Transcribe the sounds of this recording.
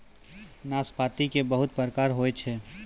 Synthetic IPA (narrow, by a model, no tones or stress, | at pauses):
naːspaːt̪ikebɐɦʊt̪̚pəɾəkaːɾɦoːet͡ʃʰɛː